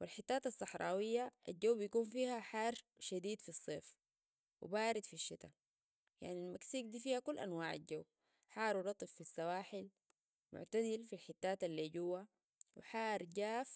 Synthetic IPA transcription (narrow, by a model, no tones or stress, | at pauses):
wilħit̪ːaːt̪ɑsˤːɑħɾˤɑːwijːaʔa̰ld͡ʒawːbijakuːnfiːhaħaːɾʃad̪iːd̪fisˤːeːf | wḭbaːɾid̪fiʃːit̪a | ja̰ʕnilmaksiːɡ̚d̪iːfiːhakulːʔa̰nwaːʕa̰lɟawː | ħɑːɾˤɾˤɑt̪ˤɨfːisːawaːħil | mʊ̰ʕt̪azilfilħit̪ːaːt̪alːiːɟuwːa | wḭħaːɾˤɟaːf